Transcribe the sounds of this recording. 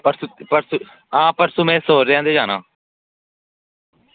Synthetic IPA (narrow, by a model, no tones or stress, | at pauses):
pəɾsupəɾsu | ãːpəɾsũːmɛ̃ːsoːɾɾejãːd̪eːd͡ʒaːnã̰ː